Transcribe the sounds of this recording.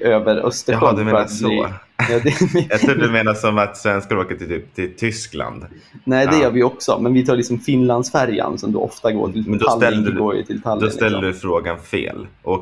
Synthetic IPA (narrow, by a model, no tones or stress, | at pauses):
øːvəɾœ̰st̪əɦɔd̪meːɾaat̪ijɑːd̪ɛat̪ɾuːdɵmeːnasɔmat̪svɛnskaɾoːkət̪ɪyːp̚t̪ʰɪlt̪ʰʏskla̰nd̪ | nɛɪd̪ɛjœːɾvɪjɔksɔ̰mɛnvɪt̪ʰɑːɭɪksɔmfɪnland̪sfæɾja̰nsɔmd̪o̰ːʔɔft̪aɡo̰ːʈʰɪld̪lːɛlɡoːɾjə̰t̪ʰɪlt̪ʰalːd̪ɔsɛlːəɖʉfɾoːɡanfḛːlʔɔk